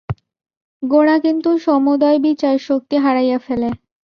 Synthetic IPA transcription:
ɡoɽ̃akint̪uʃɔmod̪ɔebit͡ɕaɾʃok̚t̪iɦaɾajafele

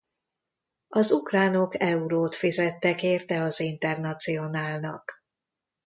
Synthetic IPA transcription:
ɒzukraːno̞kɛuɾoːt̪fizɛt̪ːɛkeːrt̪ɛɒzint̪ɛrnɒt̪sijo̞naːlnɒ̰k

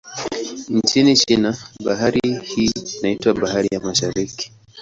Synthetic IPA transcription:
nt͡ʃinit͡ʃinaɓaɦaɾihiːinaitwaɓahaɾijamaʃaɾiki̥

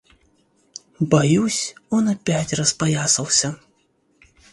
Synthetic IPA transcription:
bajusʲɔnɐpʲat͡sʲrɐspajasɐwsʲɐ

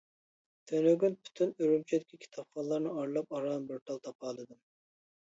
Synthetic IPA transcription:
t̪ʰønøɡʲynpʰy̥t̪ʰynyɾymt͡ʃʰɛd̪ɪkʲikʲʰi̥t̪ʰɑpχɑllˠɑɾnɨɑɾlˠɑpɑɾɑnbɨɾt̪ʰɑlˠt̪ʰɑpʰɑːlˠɨd̪ɨm

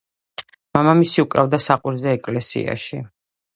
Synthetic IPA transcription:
mamamisiukʼɾavd̪asaqʼwuɾzɛːkʼlɛsḭa̰ʃi

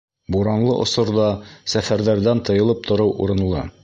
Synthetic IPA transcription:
buɾɑnlˠɤʔŏsŏɾðɑsæfæɾðæɾðænt̪ɤ̆jɤ̆lˠɤp̚t̪ŏɾɤwʔuɾɤ̆nlˠɤ̰

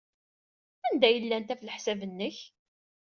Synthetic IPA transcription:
ænd̪æjəlːænt̪æflħsævənːəç

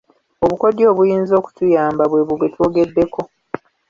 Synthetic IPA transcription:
oβuko̞djo̞ːβujiːnzo̞ːku̥tujaːmbaβwe̞βuβwetwoːɡe̞dːe̞ko̞

